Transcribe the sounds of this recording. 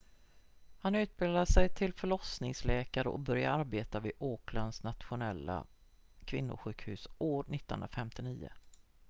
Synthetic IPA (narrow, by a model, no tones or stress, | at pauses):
hanʉ̟ːt̪̚bɪːlaʂɛjt̪ʰɪlfœɭɔsnɪŋslɛːkaɾəʔɔ̰bœɾja̰ɾaɾbeːt̪avɪoːklansnat̪ɧʊnɛlːa̰ | kʰvɪnːʊ̰ɧʉ̟ːkhʉ̟ːsʔoːɾnɪt̪ːnɵ̰nɾafɛmt̪ɪniːə̰